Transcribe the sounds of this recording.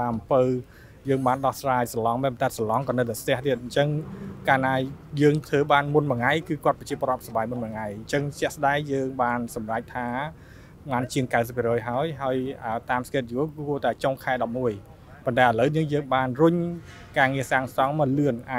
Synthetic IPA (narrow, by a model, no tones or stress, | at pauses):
t̪aːʔmpəw | jəːŋɓaːnɗɑhsraːjsalɑŋɓapənt̪aɛsalɑŋkɑnəwt̪ast̪ɛ̆əht̪iət̪̚ɲt͡ɕəŋkaːnaːjəːŋt̪ʰəːɓaːnmunməŋajkɨːkŏət̪̚pɑt͡ɕiəpoːɾŏət̪̚sɑɓaːjmunməŋajɲt͡ɕəŋt͡ɕɛ̆əhsəɗaɛŋjəːŋɓaːnsɑmrac̚t̪ʰaː | maːnt͡ɕiəŋkaɨs̬əp̚ʰːiərɾɔːjɦaəjɦaəjət̪aːmskeːt̪̚juəkuət̪aɛt͡ɕoŋkʰaɛɗɑp̚muəj | pont̪aɛʔələwnɨəŋjəːŋɓaːnrʊɲ | kaːŋiəsaːŋsɑŋmɔlɨənʔaː